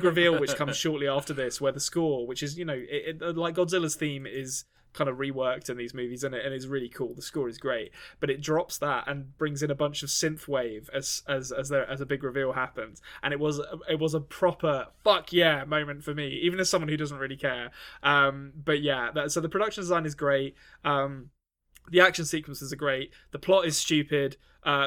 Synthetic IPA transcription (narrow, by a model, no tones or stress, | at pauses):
ɡɹɪvilˠwɨt͡ʃkʰʌ̃mz̥ʃɔɹʔˡliæftə˞ðɪswə˞ðəskɔɹwɨt͡ʃɨzjɨnoʊʔɪɪəlaɪk̚ɡ̥ɒdzɪlˠəz̥θĩmɪz̥ | kʰãɪ̃ndəvɹiwɜ˞k̚tɨ̃nðizmʉvizɨ̃nɪtɨ̃nɪzɹɪəlˠikʰulˠðəskɔɹɨzɡɹeɪt̚b̥ʌɾɨt̚dɹɑpsðətə̰̃nb̥ɹɪ̃ŋzɨ̃nəbʌ̃nt͡ʃʌv̥sɪ̃nθweɪvɨz̥ɨzəzðəʔɨzəbɪɡɹɨvilˠhæpə̃nz̥ʔə̃ñɪʔ̚wʌzəɪʔ̚wʌzəpʰɹ̥ɒpʰəfʌkʰjæmə̃ʊ̃mɨ̃ntfəmiivɨ̃nɨz̥sʌ̃mwʌ̃nhʉdʌzn̩ʔ̚ɹɪlikʰɛɹʔʌ̃mb̥ʌʔjæðəsoʊðəpʰɹ̥əɾdʌkʃə̃n̩dɪzãɪ̃nɨzɡɹeɪt̚ | ʌ̃m | ðiækʃə̃nsiˑkwə̃nsɪzɨɡɹeɪʔ̚ | ðəpʰl̥ɒtɨz̥st͡ʃʉpɪd̥ | ʔʌ